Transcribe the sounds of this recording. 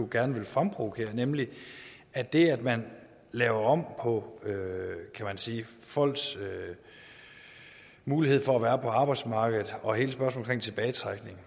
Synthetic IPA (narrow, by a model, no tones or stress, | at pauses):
oɡ̥æɐnəʋe̝lfʁampʰʁoðkʰe̝̰ːɐnemli | æd̥e̝æd̥mæn | lɛːʊɐɒ̽m̰pʰɒ̽økʰæmænsiː | fɒ̽l̰ɡ̥sø | muːliheð̰ˠfɒ̽æʋæːɐpʰɒ̽ɑ̈ːb̥ɑ̈ɪd̥smɑ̈ːɡ̥ð̩ˠɒ̽he̝ːləsb̥ɶɐsmːl̩kʰʁḛŋt͡sʰe̝b̥ɛːɪt͡sʰʁaɡ̥ne̝ŋ